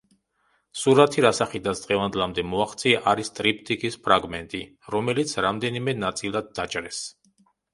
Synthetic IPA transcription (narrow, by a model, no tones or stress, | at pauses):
suɾat̪ʰiɾasaχid̪asd̪ʁɛvand̪lˠamd̪ɛmɔaχt̪sʰʼiaʔaɾist̪ʼɾip̚ʰt̪ʼikʼispʰɾaɡmɛnt̪ʼi | ɾɔmɛlit̪sʰɾamd̪ɛnimɛnat̪sʼilˠad̪ːat͡ʃʼɾɛs